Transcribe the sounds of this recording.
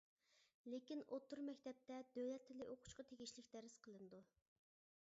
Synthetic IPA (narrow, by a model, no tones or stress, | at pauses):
lekʲinot̪ʰːuɾmɛkʲt̪ɛp̚t̪ɛd̪øwlɛt̪ʰːɪlɪʔoqʰʊ̥t͡ʃqɑt̪ʰeɡʲiʃlɪkʲd̪ɛɾɪsqʰəlˠɨnɨd̪u